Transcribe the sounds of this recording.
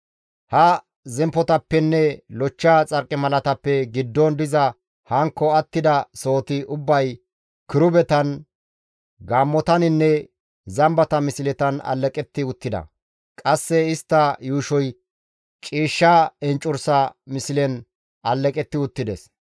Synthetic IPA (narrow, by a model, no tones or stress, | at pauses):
hɐ | zɛmpːɔt̪ɐpːɛnːɛlɔt͡ʃːaːt͡sʼɐɾkʼːɪmɐlɐt̪ɐpːɛɡɪd̪ːɔnd̪ɪzɐ | hɐŋkːɔɐt̪ːɪd̪ɐso̞ːt̪ɪʔʊbːɐj | kɪɾʊbɛt̪ɐn | ɡaːmːɔt̪ɐnɪnːɛ | zɐmbɐt̪ɐmɪsɪlɛt̪ɐnɐ̰lːɛkʼɛt̪ːɪʊt̪ːɪd̪ɐ̰ | kʼɐsːɛɪst̪ːɐjuːʃɔj | t͡ʃʼiːʃːaɛnt͡ʃʼʊɾsɐmɪsɪlɛn | ɐlːɛkʼɛt̪ːɪʊt̪ːɪd̪ɛs